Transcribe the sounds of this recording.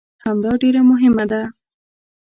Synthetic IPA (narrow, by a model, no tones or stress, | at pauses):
hamd̪ɑɖeɾamʊɦɪmad̪a